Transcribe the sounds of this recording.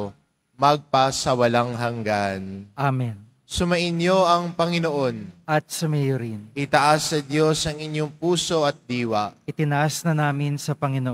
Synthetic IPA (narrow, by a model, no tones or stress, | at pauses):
mɐɡ̚pɐsɐwɐlaŋɦɐŋɡanʔamɛn | sʊmɐʔɪnjoʔɐŋpɐŋɪnoʔo̞nʔɐt̪̚sɐmɛjoɾɪnʔɪt̪ɐʔasːɐd̪jo̞sɐŋɪɲjoŋpuːso̞ɐt̪̚d̪iːwɐʔʔɪt̪ɪnɐʔasnɐnaːmɪnsɐpɐŋɪnoʔ